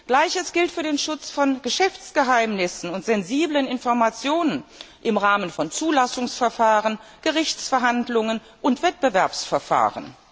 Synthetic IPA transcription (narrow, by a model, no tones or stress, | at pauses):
ɡ̥laɪçəsɡ̥ɪltfyːɐdeːnʃʊt͡sfɔnɡ̥əʃɛft͡sɡ̥əɦaɪmnɪsn̩ʊntz̥ɛnziːblənɪnfɔɐmat͡sjoːnən | ʔɪmʁaːmənfɔnt͡suːlasʊŋsfɛɐfaːʁənɡ̥əʁɪçt͡sfɛɐɦandlʊŋən | ʔʊntv̥ɛt̚b̥əvɛɐpsfɛɐfa̰ːʁə̰n